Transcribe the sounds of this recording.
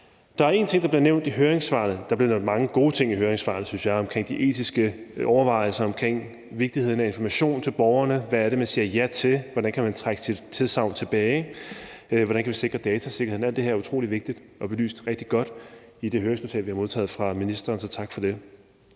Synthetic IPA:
d̥ɑ̈æɐe̝nt͡sʰe̝ŋ̰d̥ɑbliɐneʊ̰nd̥iɦøːɐʁeŋsʋɑ̰̈ːð̩ˠd̥ɑ̈b̥liɐneʊn̥mɑ̈ŋəɡ̥o̝ːt͡sʰe̝ŋ̰iɦøːɐeŋsʋɑ̰̈ːnð̩ˠsynsjɑ̈ɪɒ̽mkʰʁeŋ̰d̥iʔe̝̰ːd̥ʰisɡ̥əɒʊɐʋɑ̈ɪ̰l̩sɐɒ̽mkʰʁeŋ̰ | ʋe̝ɡ̥̚d̥ihe̝ð̞̰ˠn̩æe̝nfɒmæɕo̝̰ːnt͡sʰe̝lb̥ɒʊɐnəʋæːɐɾe̝mænsiːɐjæt͡sʰe̝lʋɒɾænkʰæmænt͡sʰʁaɡ̥əsid̥t͡sʰe̝ðˠsɑ̈ʊ̰nt͡sʰe̝b̥ɛːɪ | ʋɒɾænkʰæʋise̝ɡ̥ʁɐd̥ɛːt͡sʰæse̝ɡ̥ɐhe̝̰næl̰d̥e̝eɐɐut͡sʰʁo̰ːliʋe̝ɡ̥̚d̥id̥ | ɒ̽b̥e̝ly̰ːsd̥ʁɛɡ̥̚d̥iɡ̥ɒ̽d̥ | id̥e̝ɦøɐeŋsno̝t͡sʰɛ̰lʋihɑ̈mo̝ð̞ˠt͡sʰɛ̰ːð̞̩ˠfʁɑ̈minisd̥ɐːnsɒ̽t͡sʰɑ̈ɡ̥fɒ̽d̥e̝

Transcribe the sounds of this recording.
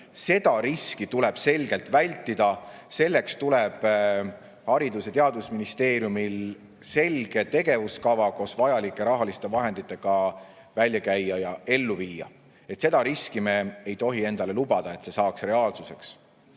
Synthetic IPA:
se̞d̪̥ɑɾiskit̪ulɛb̥se̞lɡ̥e̞lt̪ˑvælʲt̪ːˑid̪ɑse̞lːekst̪ule̞b̥ | hɑɾid̪uset̪e̞ɑd̪usminist̪e̞ːɾjumil | se̞lɡ̥e̞t̪e̞ɡ̥e̞vuskɑvɑko̞svɑjɑlikːˑe̞ɾɑɦɑlist̪e̞vɑɦe̞nd̪̥it̪ːˑe̞ɡ̥ɑ | vælʲjɑkæjːɑjɑe̞lːuviːjɑ̰ | e̞t̪ːse̞d̪̥ɑɾiskime̞ejt̪o̞ɦie̞nd̪̥ɑle̞lub̥ɑd̪̥ɑe̞t̪se̞sɑːksre̞ɑːlsuse̞ks

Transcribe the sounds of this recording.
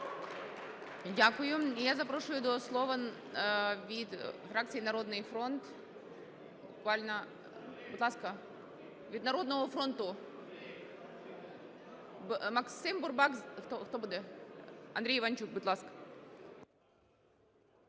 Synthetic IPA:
dʲakʊjʊjazɐpɾoʂʊjʊd̪oslˠovə | vʲit̪fɾak̚t̪sɨjɪnɐɾo̞d̪nɨjfɾont̪ | bʊkvalʲnə | bɨt̪ˠaskə | vʲid̪nɐɾo̞d̪nəvʊfɾo̞nt̪ʊ | mɐksɨmbʊrbakzt̪oxt̪obud̪ɛ | ɐ̰nd̪ɾʲejɪvant͡ɕuk̚bɨt̪lˠask

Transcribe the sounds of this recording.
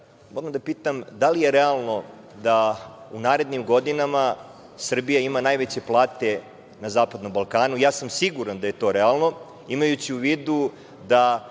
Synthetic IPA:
moɾamd̪apiːt̪amd̪alije̞ɾealˠno̞ | d̪aunaːɾe̞d̪nimɡo̞d̪inama | sr̩bijaimanaːjʋet͡ɕe̞plˠaːt̪e̞ | nazaːpad̪no̞mbalˠkaːnujaːsamsiɡuɾand̪aje̞t̪o̞ːɾealˠno̞ | imajut͡ɕiuʋiːd̪u | d̪a

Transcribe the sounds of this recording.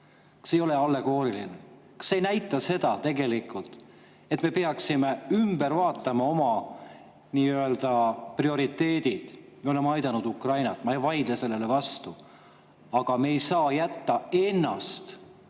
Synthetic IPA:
kɑ̥sejo̞le̞ɑlːe̞ɡo̞ːɾiline | kɑ̥sːe̞jnæjt̪ːˑɑse̞d̪̥ɑt̪e̞ɡe̞likˑult̪ˑ | e̞t̪me̞peɑksime̞ymb̥e̞ɾvɑːt̪ːˑɑmɑo̞mɑ | niːyøeld̪̥ɑprio̞ɾit̪ːe̞ːd̪̥id̪̥ | meo̞le̞mɑjd̪̥ɑnud̪ukrɑjnɑt̪ːˑmɑejvɑjd̪lese̞lːe̞le̞vɑst̪u | ɑɡ̥ɑmeːjsɑːjæt̪ːɑe̞nːɑ̰st̪

